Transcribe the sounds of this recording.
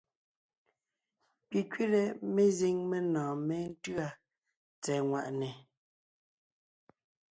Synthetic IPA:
pi˨kɥi˦ɾɛ˨me˦zi˦˨ŋme˦nãː˨mɛ˦n̩˦tɰa˦ | t͡sɛː˨ŋwa˨ʔnɛ˨

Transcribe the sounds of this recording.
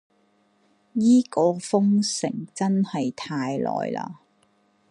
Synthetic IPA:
jiː˥kɔː˨˧fʊ˥ŋsɪ̰˨˩ŋt͡sɐ˥nhɐ˨jt̪ʰaː˧jlɔ̰ː˨˩jla̰ː˧

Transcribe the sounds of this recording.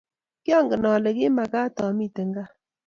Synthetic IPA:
kjɔ˦ŋɡə˨nɔː˨lə˨ɡe˦ma˨ɡa˦t̪ɔː˨mi˦t̪ə˨ŋɡa˦

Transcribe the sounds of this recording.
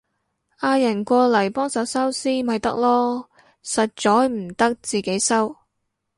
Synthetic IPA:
ʔaː˧jɐ˨˩nkʷɔː˧lɐ˨˩jpɔː˥ŋsɐ˨˥wsɐ˥wsiː˥mɐ˨jt̪ɐ˥k̚lɔː˥ | sɐ˨t̚t͡ʃɔː˨˥jm̩˨˩t̪ɐ˥k̚t͡siː˨ke˨˥jsɐ˥w

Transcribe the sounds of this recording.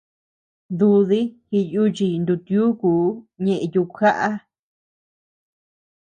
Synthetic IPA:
d̪u˧ði˦hi˧ju˦˧t͡ʃi˧nd̪u˧t̪u˦kuː˨˦ɲẽ˧ʔẽ˧ju˧kxa˦ʔa˦

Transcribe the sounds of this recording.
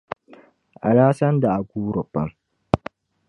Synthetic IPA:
ʔa˨ɽaː˦sɐ˦nda˨ʔa˨ɡʷuː˦ɾʊ˨pːɐ˦m

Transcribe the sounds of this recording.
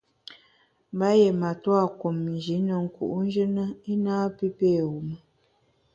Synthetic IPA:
mba˦je˨ma˨twa˦˨ku˨mn˨d͡ʒi˨˦nə˨ŋ̩˦kṵ˨ʔn̩˦d͡ʒə˦nə˦i˦naː˦pi˦pe˦˨wu˨mə˦

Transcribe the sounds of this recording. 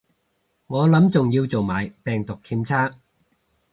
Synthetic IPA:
ŋɔː˨˧lɐ˨˥mt͡sʊ˨ŋjiː˧wt͡so˨˩wmaː˨˧jpɛː˨˩ŋt̪ʊ˨kʰːiː˧mt͡sʰaː˥

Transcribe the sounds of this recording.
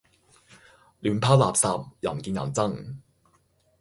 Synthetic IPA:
lyː˨˥npʰaː˥wlaː˨p̚saː˨˧p̚jɐ̰˨˩nkiː˧nŋjɐ̰˨˩nt͡sɐ˥˩ŋ

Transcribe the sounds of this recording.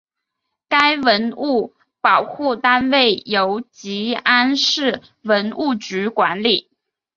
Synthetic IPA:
ka˥ɪwə˧˥nu˥˩ | pɑ˨˩ʊxu˥˩t̪a˥nwe˥˩ɪjo˧˥ʊt͡ɕi˧˥a˥nʂɻ̩˥˩ | wə˧˥nu˥˩t͡ɕy˧˥kwa˧˥nli˨˩˦

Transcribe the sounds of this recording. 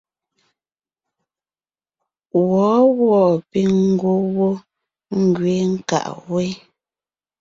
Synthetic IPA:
wɔː˨˦ɣwɔ˦˨pe˦ŋ̩˦ɡwo˦wo˦ | ŋ̩˦˨ɡɥe˨˦ŋ̩˦ka̰˨ʔwe˦

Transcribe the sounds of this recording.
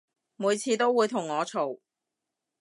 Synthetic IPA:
muː˨˧jt͡sʰiː˨˧t̪o˥wːuː˨˧jt̪ʰʊ˨˩ŋːɔː˨˧t͡sʰo˨˩w

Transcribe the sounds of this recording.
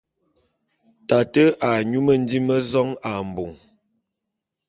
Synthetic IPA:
ta˨tə˦ʔa˨ɲu˦mə˨n̩˦di˦mə˦zɔ˦ŋa˨m̩˨bu˨ŋ

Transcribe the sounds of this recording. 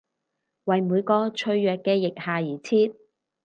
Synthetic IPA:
wɐ˨jmuː˨˧jkɔː˧t͡ʃʰɵ˧ɥjœː˨kːɛː˧jɪ˨k̚haː˨jiː˨˩t͡sʰiː˥t̚

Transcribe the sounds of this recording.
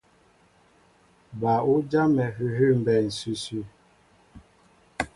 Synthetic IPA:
ba˨u˦d͡ʒa˦mɛ˨ɦʉ˦ɦʉ˦˨m̩˨bɛ˨n̩˨sʉ˦sʉ˦

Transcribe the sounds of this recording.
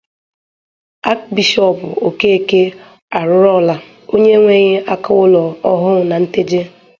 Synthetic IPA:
a˦k̚bi˨ʃɔ˦˨pʊ̰˨o˨ke˦e˨ke˦ | a˨ɾʊ˦ɾɔ˦˨la˨ | o˦ɲe˦ŋʷe˦ɲe˦a˦kʊ˦ʊ˦lɔ˨ɔ˦ɦʊ˦ŋ˨na˨n̩˦te˦d͡ʒe˦

